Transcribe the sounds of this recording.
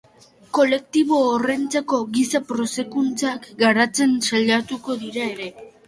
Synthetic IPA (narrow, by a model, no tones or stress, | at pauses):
ko̞le̞k̚t̪iβ̞o̞ːrent͡sako̞ɣisapɾo̞se̞kunt͡sakɡaɾat͡se̞nsaʎat̪uko̞ðiɾae̞ɾe̞